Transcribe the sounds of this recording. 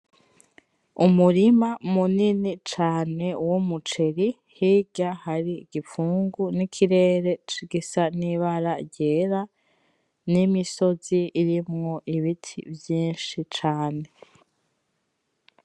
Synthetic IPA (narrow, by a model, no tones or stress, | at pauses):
umuɾimamuninit͡ʃaːne̞womut͡ʃe̞ɾi | hiɡahaɾiɡifuːŋɡunikʰiɾe̞ːɾe̞t͡ʃiɡisaniβaɾaɟeːɾa | nimiso̞ziːɾimŋoʔiβitʰḭvjiːnʃit͡ʃaːne̞